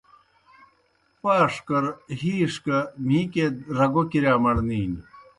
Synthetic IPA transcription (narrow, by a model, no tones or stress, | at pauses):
paːʂkɐɾɦiːʂkɐmĩːked̪ɾɐɡokiɾaːmɐɽniːn